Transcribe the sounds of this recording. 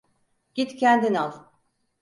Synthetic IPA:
ɟ̥it̪cʰænd̪inalˠ

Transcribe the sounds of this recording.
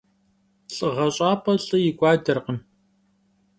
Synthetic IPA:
ɬʼɨʁɐɕʼaːpʰɐɬʼɨjɪɡʷʼɑːdɐrqəm

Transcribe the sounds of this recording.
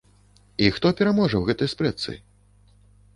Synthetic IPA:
ixt̪ɔpʲɛɾamɔʐɐwɣɛt̪ɐjspɾɛt̪sɨ̰

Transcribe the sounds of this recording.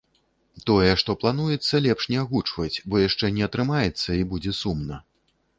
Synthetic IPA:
t̪ɔjɛʂt̪ɔplˠan̪ujɛt̪sːɐlʲɛpʂnʲɛaɣut͡ʂvɐt͡sʲbɔjaʂt͡ʂɛnʲɛɐt̪ɾɨmajɛt̪sːɐibud͡zʲɛsumnɐ

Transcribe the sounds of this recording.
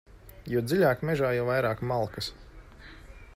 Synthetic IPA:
juɔd̪ziʎʲaːkmʲɛʒaːjawvajɾaːkmalˠkəs

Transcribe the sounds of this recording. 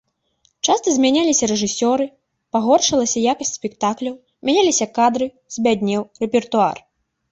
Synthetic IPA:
t͡ʂast̪ɐzʲmʲanʲalʲisʲɐɾɛʐɨsʲɔɾɨ | paɣɔrʂɐlˠɐsʲɐjakɐsʲtʲsʲpʲɛkt̪aklʲɐw | mʲanʲalʲisʲɐkad̪ɾɨ | z̥ʲbʲad̪ʲnʲɛwrɛpʲɛrt̪ua̰r

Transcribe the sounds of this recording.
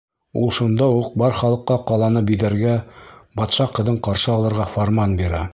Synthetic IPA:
ṵlˠʃund̪ɑuq̚bɑɾχɑlˠɤ̆qːɑqɑlˠɑnɤpbiðæɾɡæbɒt̪ʃɑqɤ̆ðɤɴqɑɾʃɤɑlˠɤ̆ɾʁɑfoɾmɑnbiɾæ

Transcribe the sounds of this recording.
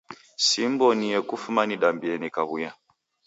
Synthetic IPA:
simbɔnijɛkufumaniɗambiɛnikaβuja

